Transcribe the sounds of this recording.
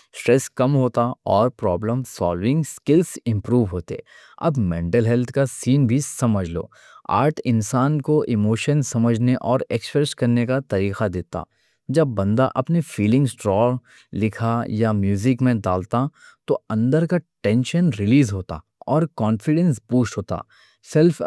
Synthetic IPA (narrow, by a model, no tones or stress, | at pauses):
sʈɾɛskɐmɦoːt̪aɔːɾpɾɔːbləmsɔ̰ːlʋɪ̃ŋɡskɪlsɪ̃mpɾuːʋɦoːt̪eɛ̰ | ɐ̰bmẽːɳʈəlɦɛlt̪ʰkasiːnbʱisɐməd͡ʒʱlo̰ː | a̰ːɾʈʰɪ̃nsaːnkoʔɪmoːʃənsɐməd͡ʒʱneʔɔːɾekspɾɛskɐɾnekat̪ɐɾiːqad̪eːt̪a̰ː | d͡ʒɐbːɐ̃nd̪a̰ʔɐpnefiːlɪ̃ŋɡsʈɾɔː | lɪkʰajamjuːzɪkmẽd̪a̰ːlt̪at̪oɐ̃nd̪əɾkaʈɛ̃ːnʃənɾɪliːzɦoːt̪a̰ | ɔːɾkɔːnfɪɖɛ̃nspuːʃʈɦoːt̪a̰ | sɛlf